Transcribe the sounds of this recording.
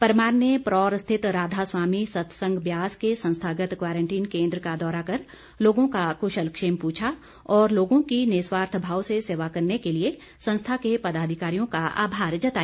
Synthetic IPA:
pɐɾmaːɾnjepɾɔːɾəst̪ʰɪt̪ɾaːd̪ʱaswaːmisɐt̪ʰsə̃ŋɡbjaːskesɐ̃nst̪ʰaːɡət̪kwaːɾə̃ɳʈiːnkẽːnd̪ɾəkad̪ɔːɾakɐɾ | loːɡõkakʊʃəlkʃeːmpuːt͡ʃʰa | ɔːɾloːɡõkineːswaːɾt̪ʰbʱaːwseseːʋakɐɾnekelie | sɐ̃nst̪ʰakepɐd̪aːd̪ʱɪkaːɾijõkaa̰ːbʱaːɾd͡ʒɐt̪aː

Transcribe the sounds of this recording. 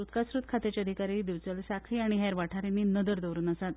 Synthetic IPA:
ut̪kasɾuːt̪kʰat̪et͡ɕjəd̪ʱikaɾiːd̪iʋt͡səlsakʰiːaɽ̃iɦɛɾʋaʈʰaɾinːiːnəd̪əɾd̪əʋɾuːnəsat̪

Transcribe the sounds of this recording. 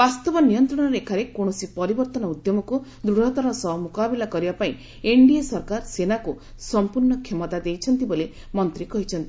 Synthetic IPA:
bast̪ɔbɔnijɔnt̪ɾɔɽ̃ɔɾeekʰaɾekoɽ̃ɔsipɔɾibɔɾt̪ɔnɔud̪jɔmɔkud̪ɾuɽ̤ɔt̪ɔɾɔsɔɦmukabilakɔɾibapaĩ | eɳɖiasɔɾkaɾsenaku | sɔmpuɾɳɔkʰemɔt̪ad̪ejt͡ʃʰɔnt̪ibole | mɔnt̪ɾikɔɦit͡ʃʰɔnt̪i

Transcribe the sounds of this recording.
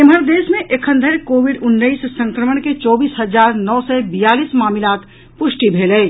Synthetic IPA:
ɪmɦəɾd̪eːsmẽʔekʰə̃nd̪ʱəɾkoːʋɪɖʊnːəissə̃ŋkɾəməɳket͡ʃɔːbiːsɦəzaːɾnɔːsɛbijaːliːsmaːmɪlaːt̪ | pʊʃʈibʱeːləː

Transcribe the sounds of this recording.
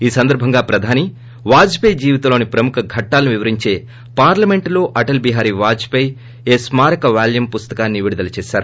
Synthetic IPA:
iːsɐnd̪ɐɾbʱɐŋɡaːpɾɐd̪ʱaːni | ʋaːd͡ʒpejd͡ʒiːʋit̪ɐlo̞ːnipɾɐmukʰɐɡʱɐʈːaːlɐnuʋiʋɐɾiɲt͡ʃe̞ː | paːɾlɐme̞ɳʈlo̞ːʔɐʈɐlbiɦaːɾiʋaːd͡ʒpɐj | eːsmaːɾɐkɐʋaːljɐmpust̪ɐkaːnːiʋiɽud̪ɐlɐt͡ʃɛːʃaːɾu

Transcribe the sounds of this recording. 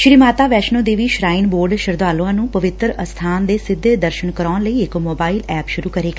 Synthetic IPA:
ʃɾiːmaːt̪aːʋɛːʃnõːd̪eːʋiːʃɾaːinboːɾɖʃəɾd̪aːlõãːnũːpəʋɪt̪ɾəst̪ʰaːnd̪eːsɪd̪ʱːeːd̪əɾʃənkəɾɔːnləiːɪkmoːbaːilɛːpʃʊɾuːkəɾeːɡaː

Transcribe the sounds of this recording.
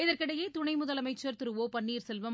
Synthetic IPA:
ɪðɐɾkɪɽɐjeːt̪ʊɳɐɪmʊðɐlɐmɐɪt͡ʃːɐɾt̪ɪɾɯʋoːpɐɳːiːɾsɛlʋɐm

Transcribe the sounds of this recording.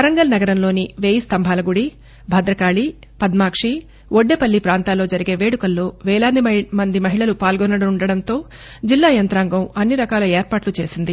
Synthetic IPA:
ɐɾɐŋɡɐlnɐɡɐɾɐmloːniʋeːjist̪ɐmbʱaːlɐɡuɽi | bʱɐd̪ɾɐkaːɭi | pɐd̪maːkʂi | oɖːepɐlːipɾaːnt̪aːlːo̞ːd͡ʒɐɾiɡe̞ːʋeːɽukɐlːo̞ːʋɛːɭaːd̪imɐnd̪imɐɦiɭɐlupaːlɡɔnːɐɽɐnuɳɖɐɽɐnt̪o̞ː | d͡ʒilːaːjɐnt̪ɾaːŋɡɐmɐnːiɾɐkaːlɐeːɾpaːʈlut͡ʃe̞ːsind̪i

